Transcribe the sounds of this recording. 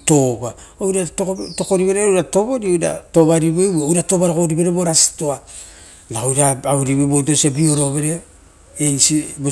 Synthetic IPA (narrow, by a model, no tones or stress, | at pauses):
to̞ba | owɾattoko̞ɾiβeɾeɾato̞βo̞ɾioɾa̰to̞βaɾiβebwɾato̞baɾakoɾibeɾeboɾasi̥toa | naowɾaaβuɾiβebotosebio̞ɾo̞βe̞ɾe | ensibo